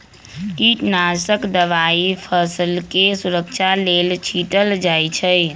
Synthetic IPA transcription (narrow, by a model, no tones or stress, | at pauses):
ʈiʈnasəkd̪əʋaipʰəsəlkesuɾəkt͡ʃʰalelt͡ʃʰiʈəld͡ʒajt͡ʃʰəj